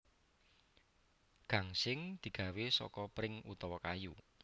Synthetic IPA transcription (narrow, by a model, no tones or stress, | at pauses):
ɡ̥a̤ŋsɪŋd̪̥i̤ɡ̥ä̤wesɔ̰kɔpɾɪŋut̪ɔwɔkaju